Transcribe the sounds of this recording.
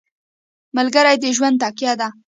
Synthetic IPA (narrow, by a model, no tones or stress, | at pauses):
malɡəɾajd̪əʒwand̪t̪ɑkjɑd̪a